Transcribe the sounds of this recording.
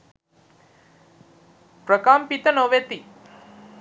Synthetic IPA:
pɾɐkaːmpit̪ɐnoʋeːt̪i

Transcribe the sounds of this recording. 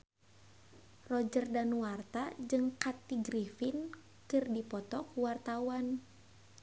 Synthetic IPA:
rɔd͡ʒərdanuart̪ad͡ʒɨŋkat̪iɡɾifin | kɨrdipɔt̪ɔkuwart̪awan

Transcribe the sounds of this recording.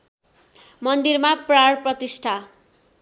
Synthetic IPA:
mʌnd̪irmapraɽprʌt̪isʈʰa

